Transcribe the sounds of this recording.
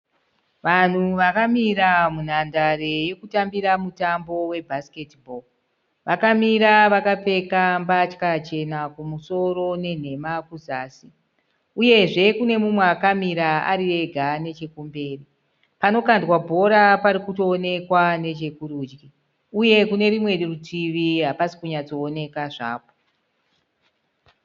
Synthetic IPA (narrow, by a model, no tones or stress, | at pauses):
ʋan̤uʋakamiɾamun̤andareje̞kutambiɾamutambo̞we̞bʱasketbʱo | ʋakamiɾaʋakap͡fe̞kambat͡ʃkat͡ʃe̞nakumuso̞ɾo̞ne̞n̤e̞makuzaːsi | uje̞ʐe̞kune̞mumweakamiɾaa̰ɾire̞ɡʱane̞t͡ʃe̞kumbe̞ːri | pano̞kandwabʱo̞ɾapaɾikuto̞ːne̞kwane̞t͡ʃe̞kuɾuːd͡ʒɡi | uje̞kune̞ɾimwe̞rirutiʋiɦapasi̥kuɲat͡so̞ːne̞kaʐa̰ːpo